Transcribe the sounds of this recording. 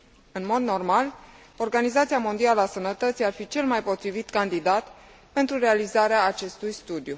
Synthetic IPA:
ɨnmo̞d̪no̞rmal | o̞rɡanizat̪sijamo̞nd̪ialasənət̪ət̪sijarfit͡ʃe̞lmajpo̞t̪ɾivit̪kand̪id̪at̪ | pe̞nt̪ɾure̞alizaɾeaːt͡ʃe̞st̪ujst̪ud̪ju

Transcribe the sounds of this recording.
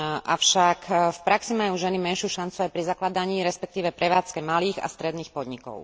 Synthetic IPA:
ʔafʃakfpɾaksimajuːʒɛnimɛnʃɪjuːʃant͡suajpɾizaklad̪aɲiːɾɛspɛk̚t̪iːʋɛpɾɛʋaːt͡skɛmaliːɣa̰st̪ɾɛd̪niːxpɔd̪ɲikɔ̰ʊ

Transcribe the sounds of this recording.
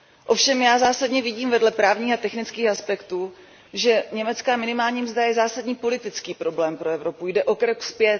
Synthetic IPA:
ʔo̞fʃɛmjaːzaːsadɲɛvɪɟiːmvɛdlɛpɾaːvɲiːxat̪ɛxnɪt͡skiːxaspɛkt̪uː | ʒɛɲɛmɛt͡skaːmɪnɪmaːlɲiːmzd̪ajɛzaːsadɲiːpo̞lɪt̪ɪt͡skiːpɾo̞blɛːmpɾo̞ɛvɾo̞pujdɛʔo̞kɾɛkspjɛt̪

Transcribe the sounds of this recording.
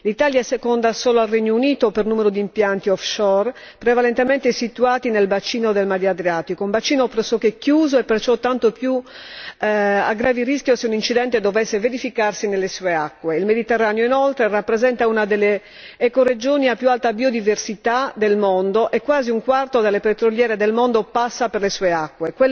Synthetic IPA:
lit̪aːljaɛsekɔnd̪asɔːloalreɲːouniːt̪opernuːmeɾod̪impjant̪iɔfʃɔr | pɾevalent̪emɛnt̪esit̪uaːt̪inelbat͡ʃiːnod̪elmad̪jad̪ɾiaːt̪ikoumbat͡ʃiːnopɾsɔkːekːjuːzoɛpːert͡ʃɔt̪ːant̪opju | aɡɾaːviriskjoseunint͡ʃid̪ɛnt̪ed̪ovɛsːeveɾifikarsinelːesueakːweilmed̪it̪ɛrːaːnejoinɔlt̪ɾerapːɾezɛnt̪aunad̪elːe | ɛkored͡ʒoːniapːjualt̪abiod̪iversit̪ad̪elmond̪oʔekːwaːziuŋkwart̪od̪elːepet̪ɾoljɛːɾed̪elmond̪opasːaperlesuːeakːwekwɛ

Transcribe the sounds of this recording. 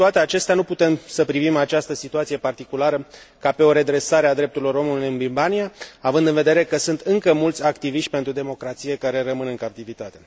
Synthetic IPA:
t̪oat̪e̞at͡ʃe̞st̪eanuput̪e̞msəpɾivimat͡ʃast̪əsit̪uat̪sije̞part̪ikulaɾə | kape̞o̞ɾe̞d̪ɾe̞saɾead̪ɾe̞p̚t̪uɾilo̞ɾo̞mulujɨnbilbaniaavɨnd̪ɨnve̞d̪e̞ɾe̞kəsunt̪ɨŋkəmult̪sʲakt̪iviʃt̪ʲpe̞nt̪ɾud̪e̞mo̞kɾat̪sije̞kaɾe̞rəmɨnɨŋkap̚t̪ivit̪at̪e̞

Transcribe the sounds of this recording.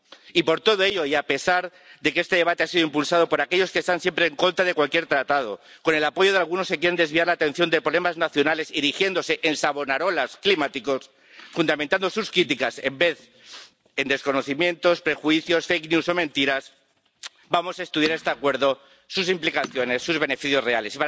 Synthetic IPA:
ipo̞ɾt̪o̞ð̞o̞e̞ʎo̞iape̞saɾ | ðekeest̪e̞ðe̞βat̪easiðoimpulsað̞o̞po̞ɾake̞ʎo̞skest̪ansje̞mpɾe̞ːŋko̞nt̪ɾað̞e̞kwalkje̞ɾt̪ɾat̪að̞o̞̰ | ko̞ne̞lapo̞ʝo̞ðealɣ̞uno̞skek̬je̞ɾe̞nd̪e̞zβiaɾlaːt̪e̞n̟θjo̞nd̪epɾole̞maznaθjo̞nale̞siɾixje̞nd̪o̞se̞ʔensaβo̞naɾo̞lasklimat̪iko̞s | fund̪amẽnt̪and̪o̞suskɾit̪ikase̞mbe̞θ | e̞nd̪e̞sko̞no̞θimjẽ̞nt̪o̞spɾe̞xwiθjo̞sfejknjuso̞mẽnt̪iɾas | bamo̞sae̞st̪uðjaɾest̪eakwe̞ɾðo̞ | susimplikaθjo̞ne̞sːuzβe̞ne̞fiθjo̞zre̞ale̞sipa

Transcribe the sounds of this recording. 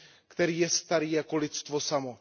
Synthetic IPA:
kt̪ɛɾiːjɛst̪aɾiːjako̞lɪt̪st̪vosamo

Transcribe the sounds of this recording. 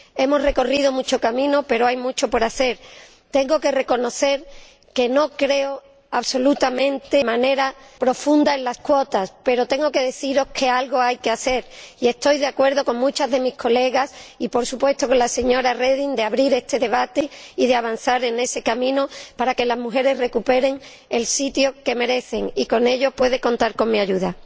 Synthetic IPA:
e̞mo̞sre̞ko̞rið̞omut͡ʃo̞kamĩnope̞ɾoajmut͡ʃo̞po̞ɾaθe̞ɾ | t̪ẽ̞ŋɡo̞ke̞re̞ko̞no̞θe̞ɾ | ke̞no̞kɾe̞o | aβso̞lut̪amẽ̞nt̪e̞mãne̞ɾa | pɾo̞fũnd̪aenlaskwo̞t̪aspe̞ɾo̞t̪e̞ŋɡo̞ke̞ðe̞θiɾo̞skʰe̞alɣo̞ajke̞aθe̞ɾie̞st̪o̞jðeakwe̞ɾðo̞ko̞ŋmũt͡ʃazðe̞mihkʰo̞le̞ɣasipo̞ɾsupwe̞st̪o̞ko̞nlase̞ɲo̞ɾareðind̪e̞aβɾiɾe̞st̪e̞ðe̞β̞at̪e̞iðe̞aβ̞an̟θaɾe̞ne̞se̞kamĩnopaɾake̞lazmuxe̞ɾe̞sre̞kupe̞ɾe̞ŋ | e̞lsit̪jo̞ke̞me̞ɾe̞θe̞ŋiko̞ne̞ʎo̞pwe̞ð̞eko̞nt̪aɾko̞ŋmĩaʝuða

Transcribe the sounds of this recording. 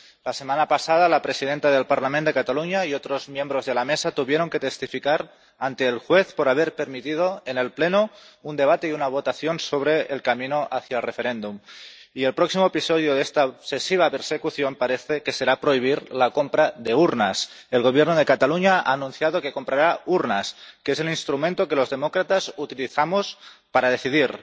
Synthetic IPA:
lasemanapasað̞alapɾesiðent̪að̞e̞lpaɾlamẽnd̪e̞kat̪aluɲaiot̪ɾozmje̞mbɾozðe̞lamesat̪uβjeɾo̞ŋke̞t̪est̪ifikaɾ | ant̪eːlxweθpoɾaβeɾpeɾmit̪ið̞oene̞lplenound̪e̞β̞at̪eiunaβ̞ot̪aθjonsoβ̞ɾeːlkaminoʔaθjaelrefe̞ɾend̪umie̞lpɾoksimoepisoð̞joðest̪aoβse̞siβ̞ape̞ɾse̞kuθjo̞mpaɾeθeke̞se̞ɾapɾo̞iβ̞iɾlako̞mpɾaðe̞uɾnas | e̞lɣ̞o̞β̞je̞ɾnoð̞e̞kat̪aluɲaa̰ːnũnθjaðoke̞ko̞mpɾaɾauɾnaskeeselinst̪ɾumẽnt̪o̞ke̞lo̞zðe̞mokɾat̪asut̪iliθamospaɾaðe̞θiðiɾ

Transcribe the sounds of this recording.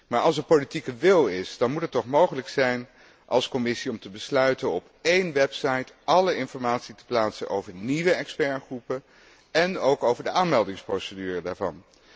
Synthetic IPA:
maːɹɑlˠsəpolitikəʋɪlˠɪsdɑnmutətːɔχmowχələksɛjn | ʔɑ̰lˠskɔmɪsiɔmtəbəslœɥtənɔp | ejnʋɛpsɑjtʔɑləɪnfɔɹmaːtsitə̥plaːtsə̰nʔo̰wvəɹniʋəɛkspɛɹχrupə | ɛnowkowvəɹdəʔaːnmɛlˠdɪŋsprowsədyːrədaːɹvɑ̰n

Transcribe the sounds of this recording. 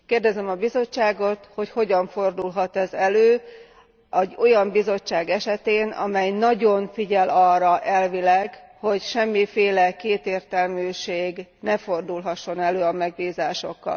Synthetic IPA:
keːrd̪ɛzɛmɒbizo̞t͡ʃːaːɡo̞t̪ho̞cho̞ɟɒɱfo̞rd̪ulɦɒt̪ɛzɛløː | ɛɟo̞jɒmbizo̞t͡ʃːaːɡɛʃɛt̪eːnɒ̰mɛjnɒɟo̞ɱfiɟɛlɒrːɒʔɛlvilɛɡho̞cʃɛmːifeːlɛkeːt̪eːrt̪ɛlmyːʃeːɡnɛfo̞rd̪ulɦɒʃːo̞nɛløːɒmɛɡbiːzaːʃo̞kːɒ̰l

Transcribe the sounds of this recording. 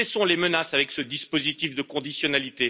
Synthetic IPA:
ɛsɔ̃lemənasavɛksəd̪ispozit̪ifd̪əkɔ̃d̪isjɔnalit̪e

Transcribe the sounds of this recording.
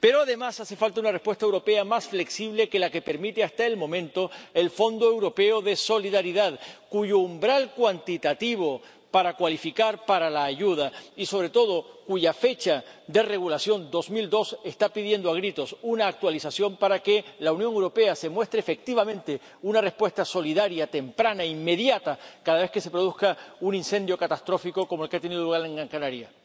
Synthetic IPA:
pe̞ɾoaðe̞masase̞falt̪aunarespwest̪aewɾo̞pe̞amasfle̞ksiβle̞ke̞lake̞peɾmit̪east̪aelmõ̞mẽnt̪o̞elfo̞nd̪oe̞wɾo̞pe̞o̞ðe̞so̞liðaɾiðaðkuʝo̞umbɾalkwant̪it̪at̪iβ̞o̞ | paɾakwalifikaɾpaɾalaːʝuðaiso̞β̞ɾe̞t̪o̞ð̞o̞kuʝafe̞t͡ʃad̪e̞re̞ɣ̞ulasjo̞nd̪o̞smild̪o̞se̞st̪apiðje̞nd̪oaɣ̞ɾit̪o̞sunaːk̚t̪walisasjo̞mpaɾake̞launjoŋewɾo̞pe̞ase̞mwe̞st̪ɾeːfe̞k̚t̪iβ̞amẽnt̪e̞ | unare̞hpwe̞st̪aso̞liðaɾjat̪e̞mpɾanaimːe̞ðjat̪akaðaβe̞hke̞se̞pɾo̞ð̞uhkaunĩnse̞nd̪jo̞kat̪ast̪ɾo̞fiko̞komoelkeat̪e̞niðoluɣaɾe̞ŋɡɾaŋkanaɾja

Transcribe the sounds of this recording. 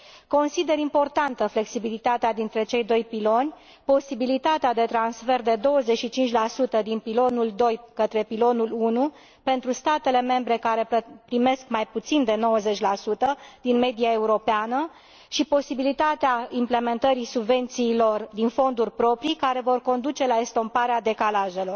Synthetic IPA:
ko̞nsid̪e̞ɾimpo̞rt̪ant̪əfle̞ksibilit̪at̪ead̪int̪ɾe̞t͡ʃe̞jd̪o̞jpilo̞nʲ | po̞sibilit̪at̪ead̪e̞t̪ɾansfe̞rd̪e̞d̪o̞wəze̞t͡ʃʃit͡ʃint͡ʃʲlasut̪əd̪inpilo̞nuld̪o̞jkət̪ɾe̞pilo̞nulunu | pe̞nt̪ɾust̪at̪e̞le̞me̞mbɾe̞kaɾe̞pɾime̞skmajput̪sind̪e̞no̞wəze̞t͡ʃʲlasut̪əd̪inme̞d̪iae̞uɾo̞peanə | ʃipo̞sibilit̪at̪eaimple̞me̞nt̪əɾisubve̞nt̪siːlo̞rd̪info̞nd̪urʲpɾo̞pɾikaɾe̞vo̞rko̞nd̪ut͡ʃe̞laest̪o̞mpaɾead̪e̞kalaʒe̞lo̞r

